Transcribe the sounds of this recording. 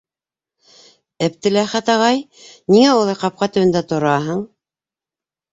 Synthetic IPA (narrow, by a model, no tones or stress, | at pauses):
ɘ̆p̚t̪ɘ̆læχæt̪ɑʁɑj | niŋæolˠɑjqɑp̚qɑt̪ɘ̆wɘ̆nd̪æt̪ŏɾɑɦɤɴ